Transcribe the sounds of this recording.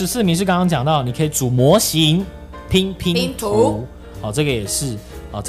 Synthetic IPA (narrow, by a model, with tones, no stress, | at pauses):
ʂ̩˧˥s̩˥˨mi˧˦ŋʂɻ̩˥˩kɑ˥ŋkɑ˥ŋt͡ɕjɑ˨˩ŋt̪ɑ˥˩ʊni˨˩kʰə˧˥i˨˦t͡su˨˩mwɔ˧˥ɕi˨˧˦ŋ | pʰi˥ŋpʰi˦˥ŋʰ˨u˧˦ | ɔ˨˩ʈ͡ʂɤ˥˩ɡə˩jɛ˨˩ʂɻ̩˥˨ɔ˥˩˥